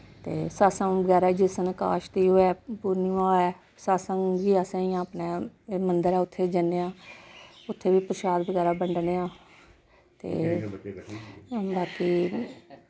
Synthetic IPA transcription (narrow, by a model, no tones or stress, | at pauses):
t̪eːsaːsəŋbəɡɛːɾaːd͡ʒɪsənka̰ːʃt̪iːɦoːɛːpuːɾniaːɛː | saːsəŋɡbiːaːsãːiãːpneːmənd̪əɾɛːʊt̪ʰːeːd͡ʒənːeːãː | ʊt̪ʰːeːʋiːpəɾʃaːd̪bəɡɛːɾaːbəɳɖneːãː | t̪ḛː | baːkiː